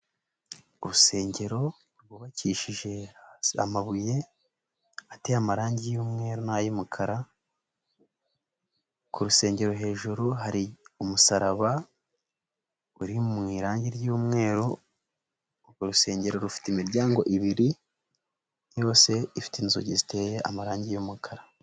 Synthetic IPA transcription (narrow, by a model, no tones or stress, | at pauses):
uɾuse̞ːɲɟe̞ɾo̞ | wuβaciːʃiʒe̞a̰maβuje̞ | ate̞amaɾaːɲɟijuːmŋe̞ːɾonajumukʰaɾa | kuɾuse̞ːɲɟe̞ɾo̞ɦe̞ːʒuɾuɦaɾiumusaɾaβa | uɾimmŋiːɾaːɲɟiɾjuːmŋe̞ːɾo | uɾuse̞ːɲɟe̞ɾo̞ɾufi̥teimiɾɟaːŋɡo̞ʔiβiɾi | jo̞ːse̞ifi̥tinizoɟizite̞jeʔa̰maɾaːɲɟijumukʰaɾa